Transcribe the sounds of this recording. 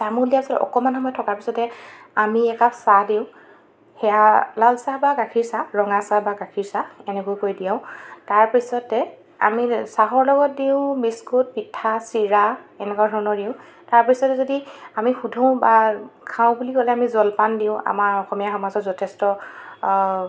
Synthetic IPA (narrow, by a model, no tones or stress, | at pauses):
tamʊɹlijapisɔtɔ̰kɔmanxɔmɔjtʰɔkaɹpisɔtɛ | amiɛkasadiʊ̃ | hɛjalalsabaɡakʰiɹsaɹɔŋasabaɡakʰiɹsaɛnɛkojkojdijãʊ̃taɹpisɔtɛ | a̰misaɦɔɹlɔɡɔt̚diʊ̃biskut̚pitʰːasiɹaɛnɛkadʱɔnɔdiʊ̃ | taɹpisɔtɛzodiamixudʱɔ̃ʊ̃bakʰãʊ̃bulikɔlɛamizɔlpandiʊ̃a̰maɹɔxɔmijaxɔmazɔtzɔtʰɛstɔ